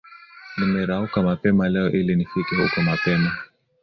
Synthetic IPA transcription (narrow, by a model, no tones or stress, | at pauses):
nimɛɾaukamapɛmalɛɔʔilinifikɛhṵkɔmapɛna